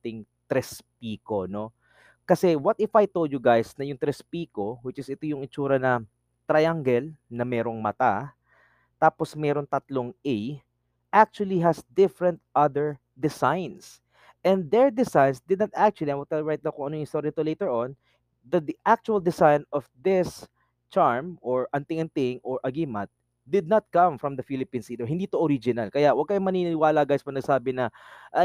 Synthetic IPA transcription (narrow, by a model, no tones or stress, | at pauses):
ɪŋ | t̪ɾɛspiːko̞no | kɐsɛwɐt̪̚ɪfajt̪old̪jʊɡajsnɐjʊŋt̪ɾɛspiːko̞wɪt͡ʃɪsɪt̪ojʊŋɪt͡ʃuːɾɐnɐ | t̪ɾajaŋɡɛlnɐmɛːɾo̞ŋmɐt̪a | t̪aːposmɛːɾo̞ŋt̪ɐt̪loŋʔɛj | ʔak̚t͡ʃuɐliɦɐsd̪ɪfɾɛ̃nt̪̚ʔɐd̪ɛɹ | d̪ɪsajns | ʔɛnd̪ɛɹd̪ɪsajnsd̪ɪd̪̚nɐt̪ak̚t͡ʃʊwɐliɐnwɐɡ̚t̪ɐɹajt̪lɐkʊŋɐnojʊŋst̪oɾit̪olejt̪ɛɹon | d̪ɐd̪ʔak̚t͡ʃuɐld̪ɪsajnɔfd̪ɪs | t͡ʃaɹmʔɔɹʔɐnt̪ɪŋɐnt̪ɪŋɔɹʔɐɡimɐt̪̚ | d̪ɪd̪̚nɐt̪̚kɐ̃mfɹɐmd̪ɐfilɪpĩːnsiːd̪oɦɪnd̪iːt̪oʔoɾid͡ʒɪnɐlkɐjaʔwɐɡ̚kajʊŋmɐniːnɪwaːlɐɡajspɐnɐɡsaːbɪnɐʔa